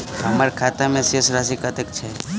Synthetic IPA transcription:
əmaɾkʰat̪amẽsesɾasikət̪ək̚t͡ʃʰe

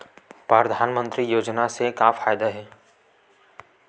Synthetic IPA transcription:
pɾəɾəd̪ʱaːnmə̃nt̪ɾijoːd͡ʒnasekãːfaːjd̪aɦɛː

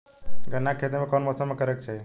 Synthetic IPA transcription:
ɡənːakʰet̪̬emekɔnbəsamekəɾɛk̚t͡ʃʰɛ

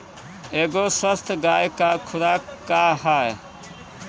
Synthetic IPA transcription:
eːɡoːswəst̪ɡaːjkaːkʰʊɾaːkkːaːhaːe

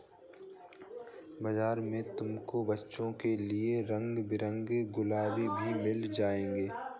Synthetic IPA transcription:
bɐzaːɾmẽt̪ʊmkobɐtːʃõkelieɾə̃ŋɡbɪɾə̃ŋɡɡʊlaːbibʱimɪld͡ʒaːẽːɡeː

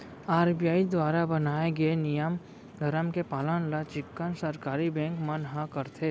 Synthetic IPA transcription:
aːɾbijaːid̪waːɾabənaːeɡəenijəm | d̪ʱəɾəmkepaːlənlat͡ʃɪkːənsəɾkaːɾibɛ̃ːŋkmənɦãkəɾt̪ʰeː

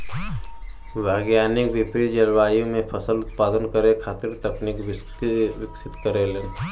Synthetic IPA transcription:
ʋeːɡjaːnɪkʋɪpɾid͡ʒəɾʋaːjõmẽpʰəsəlʊt̪̚paːd̪ənkəɾekʰaːt̪ɪɾt̪ɐknikʋɪ | ʋɪksɪt̪kəɾeleː

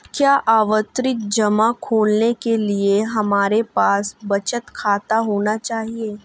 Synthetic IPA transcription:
kjaːʔaːʋət̪ɾɪt̪̚d͡ʒɐmakʰoːlnekelieɦɐmaːɾepaːsbɐt͡ʃət̪kʰaːt̪aɦoːnat͡ʃaːɦieː

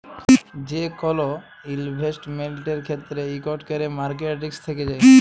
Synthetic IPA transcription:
d͡ʑekɔlo | ilbʱesʈmelʈeɾkʰet̪ːɾeikɔʈkeɾemaɾk̬eʈikst̪ʰeked͡ʑae

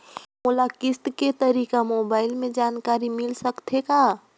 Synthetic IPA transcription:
molakɪst̪ket̪əɾiːkamobaːɪlmẽd͡ʒaːnkaɾimɪlsəkt̪ʰeka

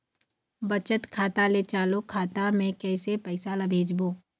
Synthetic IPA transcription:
bɐt͡ʃət̪kʰaːt̪alet͡ʃaːlokʰaːt̪amẽkɛːsepɛːɪsalɐbʱeːd͡ʒboː

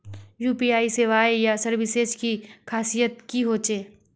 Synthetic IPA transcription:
juːpiaːiseːʋaːjjasəɾʋɪseskikʰaːsijət̪̚kiɦoːt͡ʃeː

